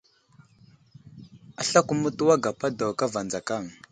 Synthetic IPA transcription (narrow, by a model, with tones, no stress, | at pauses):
a˨ɬa˦ku˦˨mu˦tu˦wa˦ɡa˨pa˦do˨wka˦va˨nd͡za˨ka˦˨ŋ